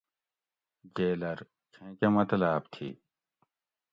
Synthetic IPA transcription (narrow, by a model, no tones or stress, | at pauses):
d͡ʑeːlɐɾ | kʰẽːkemɐt̪ɐlaːpt̪ʰḭ